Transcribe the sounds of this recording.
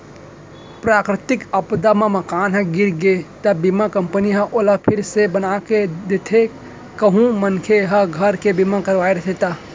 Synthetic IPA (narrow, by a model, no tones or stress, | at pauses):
pɾaːkɾɪt̪ɪkəpd̪amẽməkaːnɦə̃ɡɪɾɡet̪əbimakəmpəniɦəʔoləpʰɪɾsebənaked̪et̪ʰe | kəɦũmənkʰeɦɐɡʱəɾkebimakəɾʋaːeɾɐt̪ʰet̪a